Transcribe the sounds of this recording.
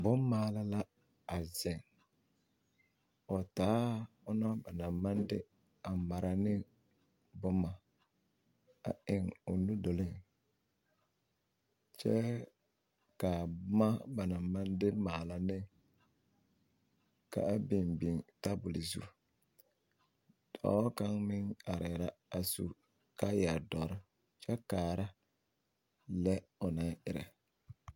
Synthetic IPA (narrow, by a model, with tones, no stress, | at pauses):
bʊ˦mmaː˨la˦la˦ | a˨zɛ˨ŋ | ɔ˨taː˨˦ | ʊ˦nɔ˦ba˨na˨ma˦ndɪ̰˦ | a˨ma˨ɾa˨nɪ˦ | bʊ˦ma˨ | a̰˨ɪ˨ŋʊ˨nu˦do˨lɪ˦˨ŋ | t͡ʃɛ˦ | ka˨˦ma˦ba˨na˨ma˦ndɪ˦maː˨la˨nɪ˦ | ka̰˨a˦bɪ˨nbi˨ŋta˦bʊ˨li˨zṵ˦ | dʰɔ̰˨˦wɔ˦ka˦ŋmɪ˦ŋa˨ɾɪ˨ɾa˦a˨sṵ˦ | ka˦ja˨dɔ˨ɾɪ˦ | t͡ʃɛ˦kaː˨ɾa˦ | lɛ˦ʊ˨na˦ɪ˨ɾɛ̰˨